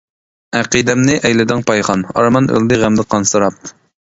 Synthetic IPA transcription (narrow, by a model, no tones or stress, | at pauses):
æqid̪ɛmnɨʔɛjlɪd̪ɪŋpɑjχɑnɑ̰ɾmɑnø̰lˠd̪ɪʁæmd̪ɨqʰɑnsɨɾɑp̚